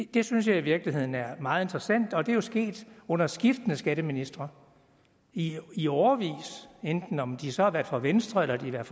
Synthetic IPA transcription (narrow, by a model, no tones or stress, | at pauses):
d̥e̝syns̬jɑ̈ɪiʋiɐɡ̥lihe̝ð̞̰ˠn̩æɐmɑ̈ːð̞̩ˠe̝nd̥ʁɐsæn̰d̥ɒ̽d̥e̝æjosɡ̥e̝̰ːd̥ɔ̽n̰ɐsɡ̥ifd̥ənəsɡ̥æɾ̥əminisd̥ʁɐ | iiɒʊɐʋḭːsend̥n̩ɒ̽md̥isɒ̽hɑ̈ʋæɐd̥fɑʋensd̥ʁɐelɐd̥iʋæɐ̰̥